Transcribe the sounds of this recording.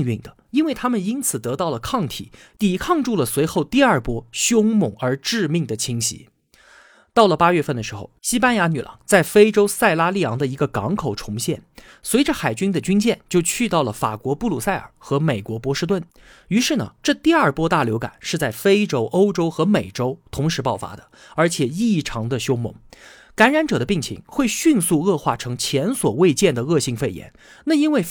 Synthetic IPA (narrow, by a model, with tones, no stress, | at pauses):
ny˥˩ŋd̪ə˩i˥nwe˥˩ɪt̪ʰa˥mə˨ni˥nt͡sʰɹ̩˨˩t̪ɤ˧˥t̪ɑ˥˩ʊlə˩kʰɑ˥˩ŋt̪ʰḭ˨˩˦ | t̪i˧˥kʰɑ˥˧ŋʈ͡ʂu˥˩lə˩swe˧˥ɪxo˥˧ʊt̪i˥˧ɐ˞˥˩pwɔ˥ɕjʊ˥ŋmʊ˨˩ŋə˞˧˥ʈ͡ʂɻ̩˥˧mi˥˩ŋd̪ə˩t͡ɕʰi˥ŋɕḭ˧˥ | t̪ɑ˥˩ʊlə˩pa˥ɥɛ˥˧fə˥˩nd̪ə˩ʂɻ̩˧˥xo̰˥˧˩ʊɕi˥pa˥nja˧˥ny˨˩lʔɑ̰˧˥ŋt͡sa˥˩ɪfe˥ɪʈ͡ʂo˥ʊsa˥˩ɪla˥li˥˩jɑ˧˥ŋd̪ə˧i˧˥ɡə˧kɑ˧˥ŋkʰo˨˩ʊʈ͡ʂʰʊ˧˥ŋɕjɛ˥˩n | swe˧˥ɪʈ͡ʂə˧xa˨˩ɪt͡ɕy˥nd̪ə˨t͡ɕy˥nt͡ɕjɛ˥˧nt͡ɕjo˥˧ʊt͡ɕʰy˥˧t̪ɑ˥˩ʊlə˩fa̰˨˩kwɔ˧˥pu˥˧lu˥˩sa˥˩ɪə̰˞˨˩xɤ˧˥me˨˩ɪkwɔ˧˥pwɔ˧˥ʂɻ̩˥˧t̪̬wə˥˩n | y˧˥ʂɻ̩˥˩nə̰˩ʈ͡ʂɤ˥˧t̪i˥˧ɐ˞˥˩pwɔ˥t̪a˥˩ljo˧˥ʊka̰˨˩˦nʂɻ̩˥˧t͡sa˥˩ɪfe˥ɪʈ͡ʂo˥ʊʔo˥ʊʈ͡ʂo˥ʊxɤ˧˥me˨˩ɪʈ͡ʂo˥ʊt̪ʰʊ˧˥ŋʂɻ̩˧˥pɑ˥˩ʊfa̰˥d̪ə̥̰˨ | ə˞˧˥t͡ɕʰjɛ˨˩i˥˩ʈ͡ʂʰɑ˧˥ŋd̪ə˧ɕjo˥ʊmʊ̰˧˥˦ŋ | ka˧˥nɻa˧˥nʈ͡ʂɤ˨˩d̪ə˦pi˥˩ŋt͡ɕʰḭ˧˥ŋxwe˥˧ɪɕy˥˧nsu˥˧ɤ˥˧xwa˥˩ʈ͡ʂʰɤ˧˥ŋt͡ɕʰjɛ˧˥nswɔ˨˩we˥˧ɪt͡ɕjɛ˥˩nd̪ə˩ɤ˥˧ɕi˥˧ŋfe˥˩ɪjɛ̰˧˥n | na˥˩i˥nwe˥˩ɪ